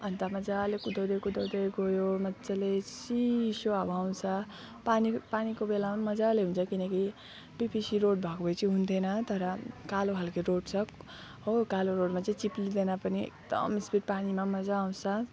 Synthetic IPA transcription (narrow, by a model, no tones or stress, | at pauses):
ʌnt̪amʌd͡zalekud̪ʱʌwd̪ʌjkud̪ʌwd̪ʌjɡojomʌt͡salesisoabaw̃t͡sʰʌ | panipanikobelamamʌd͡zaleɦũnt͡sʰʌkinʌki | pipʰisiɾoɽbʱʌkobʌjt͡sʰiɦunt̪ʰenʌt̪ʌɾʌkaloɦalkeɾoɽt͡sʰʌ | ɦokaloɾoɖmat͡saĩt͡siplid̪enapʌniḛk̚d̪ʌ̰mispiʈ̚panimamʌd͡zaːw̃t͡sʰʌ